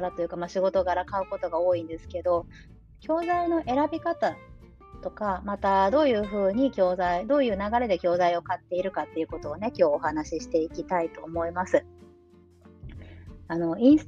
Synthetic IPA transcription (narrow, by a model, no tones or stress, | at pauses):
ɾat̪o̞jɯ̟kamaɕiɡo̞t̪o̞ɡaɾakaɯ̟ko̞t̪o̞ɡao̞ːĩnd̪e̞sɨ̥ke̞d̪o̞ | kʲʰo̞ːzaino̞ʔe̞ɾabʲikat̪a | t̪o̞kamat̪ad̪o̞ːjɯ̟ːɸɯ̟ːɲ̟ikʲo̞ːzaid̪o̞ːjɯ̟ːnaɡaɾe̞d̪e̞kʲo̞ːzaio̞kat̪ːe̞iɾɯ̟kat̪ːe̞iɯ̟ko̞t̪o̞ːne̞kʲo̞ːhanaɕiɕi̥t̪e̞ikʲit̪ait̪o̞ːmo̞imasɨ | ano̞ĩɰ̃s